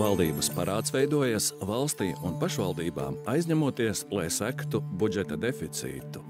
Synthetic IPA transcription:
valˠd̪iːbɐspaɾaːt̪svɛjd̪uɔjasvɑlˠst̪iːunpaʃvalˠd̪iːba̰ːmajzʲɲæmuɔt̪iɛslˠajsækt̪ubud͡ʒɛt̪ad̪efit̪sḭːt̪u̥

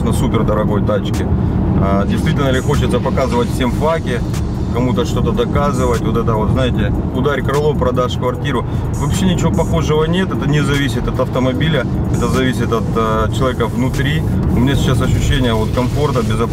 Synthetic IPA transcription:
nəsupʲɪrd̪əɾɐɡo̞jt̪at͡ɕkʲɪadʲɪjst̪vʲitʲɪlʲnəlʲɪxo̞t͡ɕɪt̪səpɐkazɨvətʲfsʲe̞mfakʲɪ | kɐmut̪əʂt̪o̞t̪əd̪ɐkazɨvətʲvo̞t̪ɛt̪əvo̞t̪znajɪtʲɪ | ʊd̪aɾʲkɾɐlˠopɾɐd̪aʂkvɐrtʲiɾʊ | vɐpɕːenʲɪt͡ɕɪvopɐxo̞ʐɨvənʲe̞t̪ɛt̪ənʲɪzɐvʲisʲɪt̪ɐt̪ɐft̪əmɐbʲilʲə | ɛt̪əzɐvʲisʲɪt̪ɐt̪t͡ɕɪlˠɐvʲekəvnʊt̪ɾʲi | ʊmʲɪnʲasʲɪ̥t͡ɕːas̬ɐɕːʏɕːenʲɪjəvo̞t̪kɐmfo̞rt̪əbʲɪzɐp

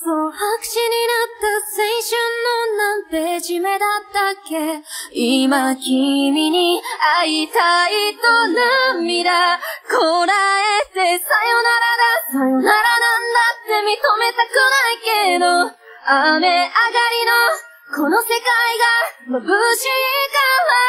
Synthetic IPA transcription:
sohakɯ̟̥ɕiɲ̟inat̪ːasẽɰ̃ɕɨ̃nːonãnt̪e̞ʑime̞d̪at̪ːakːe̞imakʲimʲiɲ̟iait̪ait̪onamːʲiɾakoɾaesesajonaɾanasajonaɾanand̪at̪ːe̞mʲit̪ome̞t̪akɯnaike̞d̪o | ameaɡaɾʲino | ko̞no̞se̞kaiɡambɯɕikaβa

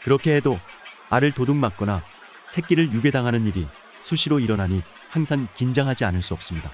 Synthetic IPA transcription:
kɯɾʌkʰe̞ɦe̞do | aɾɯɭtoduŋmak̚k͈ʌna | sʰe̞k̚k͈iɾɯɭjuɡe̞daŋɦanɯniɾi | sʰuɕʰiɾoiɾʌnaɲi | haŋsʰaŋkind͡ʑaŋɦad͡ʑianɯɭs͈uʌp̚s͈ɯmɲida

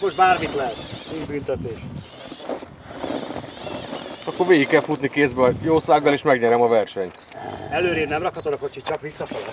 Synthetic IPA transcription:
moʒd̪̚baːrmit̪lɛɦɛt̪eːd͡ʒbyːnt̪ɛt̪eːʃ | ɒkːo̞ɾʋeːɡikːɛlfut̪nikeːzbɛɒjoːsaːɡːɒleːʃmɛɡɲɛɾɛmɒvɛrʃɛɲ | ɛløːɾeːnɛmrɒkhɒt̪o̞d̪ɒko̞t͡ʃit͡ʃɒkʋisːɒfoɡ

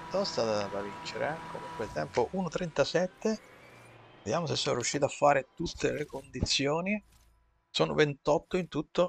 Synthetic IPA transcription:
t̪ɔst̪at̪ad̪avint͡ʃeɾḛɛko̰muŋkwelt̪ɛmpoʔunot̪ɾent̪asɛt̪ːe | vd̪jaːmosesːoːnoɾjuʃːiːt̪oafːaːɾet̪ut̪ːelekond̪it̪sːjoːni | soːno̰vent̪ɔt̪ːoint̪ut̪ːo

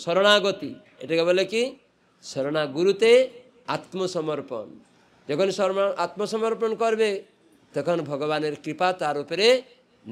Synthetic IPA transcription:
sɔɾɔɽ̃aɡɔt̪i | ḛʈekɛboleki | sɔɾɔɽ̃aɡuɾut̪e | at̪mɔsɔmɔɾpɔ̰n | d͡ʒekʰɔnisɔɾʔat̪mɔsɔmɔɾpɔnɔkɔɾbe | t̪ekʰɔnbʱɔɡɔbaneɾkɾipat̪aɾupeɾe | n

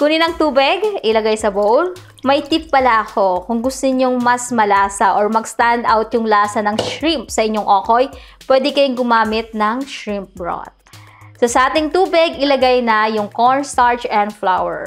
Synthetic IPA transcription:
kʊnɪnɐŋt̪uːbɪɡʔɪlɐɡajsɐbowl | mɐjt̪ip̚ːɐlaʔɐko̞kʊŋɡʊst̪ʊɲoŋmɐsmɐlaːsɐʔoɔɹmɐɡst̪and̪awt̪̚jʊŋlaːsɐnɐŋʃɹimpsɐʔɪɲːoŋʔoːko̞jpwɛːd̪ɛkɐjʊŋɡʊmaːmɪt̪̚nɐŋʃɹimp̚bɹo̰t̪̚ | sosɐʔaːt̪ɪŋt̪uːbɪɡɪlɐɡajnɐjʊŋkoɹnst̪aɹt͡ʃɛnd̪flawɛ̰ɹ

